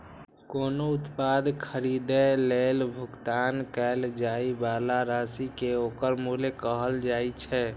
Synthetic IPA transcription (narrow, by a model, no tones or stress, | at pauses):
konout̪pad̪kʰəɾid̪elelbʱukt̪ankɛld͡ʒaibalaɾasikeokəɾmulekəɦəld͡ʒajt͡ʃʰɛ